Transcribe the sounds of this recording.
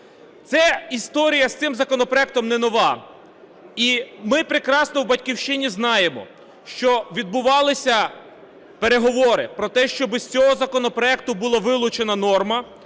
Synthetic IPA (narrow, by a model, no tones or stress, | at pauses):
t̪sɛist̪ɔɾʲijɐst̪sɪmzɐkɔnɔpɾɔɛk̚t̪ɔmnɛnɔʋɑ | imɪpɾekɾɑsnɔwbɐtʲkʲiwʃt͡ʃɪnʲiznɑjemɔ̰ | ʃt͡ʃɔʋʲid̪̚bʊʋɑlˠɪsʲɐ | pe̞ɾe̞ɦɔʋɔɾɪ̰pɾɔt̪ɛʃt͡ʃɔbɪsʲt͡sʲɔɦɔzɐkɔnɔpɾɔɛk̚t̪ʊbʊlˠɑʋɪlˠʊt͡ʃenɐnɔrmɐ